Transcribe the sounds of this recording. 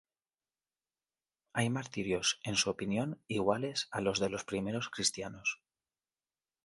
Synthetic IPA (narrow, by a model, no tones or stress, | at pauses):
ajmaɾt̪iɾjo̞se̞nsuopinjo̞niɣ̞wale̞salo̞zðe̞lo̞spɾime̞ɾo̞skɾist̪jano̞s